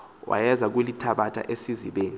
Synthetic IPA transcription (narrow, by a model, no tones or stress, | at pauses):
wʔa̰jɛzak̬welitʰaɓatʰʼa̰ʔesiziɓeːni